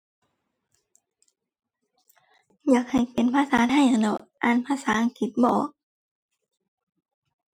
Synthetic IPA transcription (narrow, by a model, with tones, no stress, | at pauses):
jaː˧˩˦k̚ha˨˩jpe˨˦npʰaː˧saː˨˦ɦa˧˩jʔa˨˩nɔ˧˩ʔaː˧˥˨npʰaː˧˥saː˨˦ʔa˨˧˨ŋkʰi˧˩t̪̚bɔː˧˩˦k̚